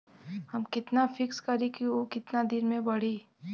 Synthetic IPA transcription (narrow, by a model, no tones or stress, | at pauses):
hɐmkɪt̪nafɪkskɐɾẽkiʋokɪt̪nad̪ɪnmẽbɐɽ̤eː